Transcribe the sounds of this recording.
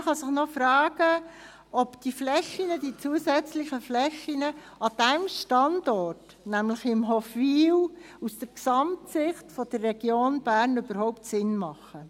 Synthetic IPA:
χɑsɪχnɔfɾɑːɡ̥ə | ɔpd̥iflɛʃinəd̥it͡suəsɛt͡slɪχəflɛxinə | ɑd̥ɛmʃtɑndɔrt | næmlɪχɪmɦɔfʋiːw | usd̥əɾksɑmtsɪχtfɔd̥ərːɛɡ̥joːnb̥æːɾnybəɾhɔʊptsɪnmɑχə

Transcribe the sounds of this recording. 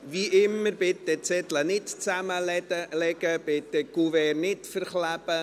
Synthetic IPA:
viʔɪmːəɾbɪt̪ːɛt͡sɛt̪lənɪtt͡sæməlɛɡəb̥ɪt̪ːɛkuvɛrnɪtfəɾχlæbə

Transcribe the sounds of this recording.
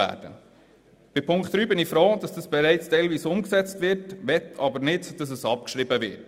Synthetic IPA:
æ̰ːd̥ə̰ | b̥ɪpʰʊŋkt̪ɾyːbɪnɪfɾoːd̥ɑsd̥ɑsb̥ɛɾæɪt͡stɛɪlviːsʊmksɛt͡stʋɪɾtʋɛtɑbənɪdd̥ɑs̬əsɑp̚kʃɾɪbəvɪ̰t

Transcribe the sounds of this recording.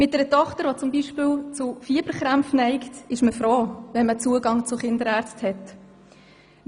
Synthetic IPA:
mɪt̚dɛɾətɔχtəɾʋot͡sʊmbiʃpɪːlt͡sʊfiːb̥əɾχɾæmfnɛɪktɪʃməfɾoːvɛnmət͡suəɡɑŋt͡sʊχɪndəɾæːɾt͡sthɛt

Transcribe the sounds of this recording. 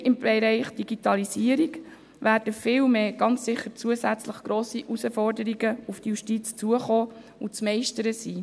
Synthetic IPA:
ʔɪmbɛɾɛɪχd̥iɡ̥itɑlisiəɾiɡ | ʋæːɾd̥əfɪːlmeːɡ̥ɑnt͡ssɪχːət͡suəsæt͡sləχɡ̥ɾoːsiʔusəfɔrdəɾiɡəufdtəjuʃtit͡st͡suəχoː | ut͡smɛɪʃtəɾəsiː

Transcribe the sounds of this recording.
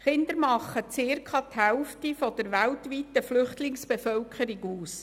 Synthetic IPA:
χɪnd̪əɾmɑχːət͡sɪrkʰɑt̪hɛʊftifɔd̪̥əɾʋæltʋit̪ːəflʏχt̪lɪŋsb̥efœwkʰχəɾɪɡuːs

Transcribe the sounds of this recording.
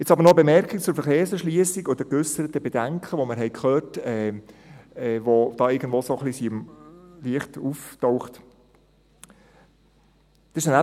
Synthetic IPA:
ɛt͡sɑbəɾnɔbemɛɾkik̚t͡sʊɾfəɾχeːɾsəɾʃliəsikod̥̪əkʏsəɾət̪əbed̥æŋkʰχəʋoməɾɦɛɪkχøːɾtɛ | ɛːʋod̪̥ɑːɪɾɡən̩d̪ʋoːsoχlisimliəχtuftɔwχt | sɪʃənæ

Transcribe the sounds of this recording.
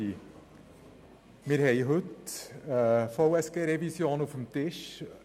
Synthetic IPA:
i | mɪɾhɛɪɦɵtəfoʊɛsɡ̥eːɾɛvisjoːnufəmt̪ɪʃ

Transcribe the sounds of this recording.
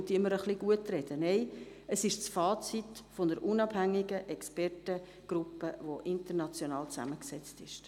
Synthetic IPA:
t̪iɪmːəɾəχliɡ̥uətɾɛd̥ənɛɪ | əsɪʃsfɑːt͡sitfondəɾʔunɑb̥hæŋːiɡəʔɛkspɛrtə | ɡ̥ɾʊpːəʋoʔɪntəɾnɑt͡sjonɑːlt͡sæ̰məksɛt͡stɪʃ

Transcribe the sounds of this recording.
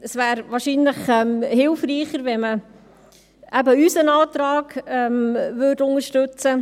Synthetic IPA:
əsvæːɾʋɑːʃinləχɛmhɪlfɾiːχəɾʋɛmə | ʔæbəysənɑːt̪ɾɑːɡ̥ɛmvøːdʊnəʃtɵt͡sə

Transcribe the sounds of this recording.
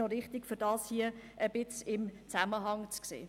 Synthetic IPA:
oɾɪχt̪ikfyɾdɑːshiə | əb̥ɪt͡sɪmt͡sæməɦɑŋt͡sksḛː

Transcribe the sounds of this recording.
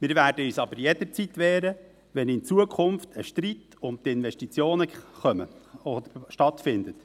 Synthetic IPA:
mɪːɾvæːɾdəyːsɑbəɾjɛd̥̪əɾt͡sit̪ʋɛːɾə | ʋɛnɪnt͡suəkʰχʊmftəʃtɾit | ʊnt̪ɪnvɛʃtit͡sjoːnəχœməɔd̪əʃtɑt̪fɪnd̪ət

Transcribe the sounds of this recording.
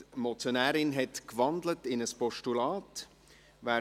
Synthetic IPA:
mɔt͡sjonæːɾɪnɦɛtkvɑndlətɪnəspɔʃtulɑːt | væː

